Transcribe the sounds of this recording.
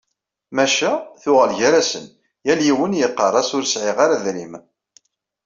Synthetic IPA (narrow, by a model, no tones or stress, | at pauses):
mæʃæθʊʁəlʝæɾæsə̰n | jæljiwənjəqːɑrˤɑsʊɾsʕɪʁaɾaðɾim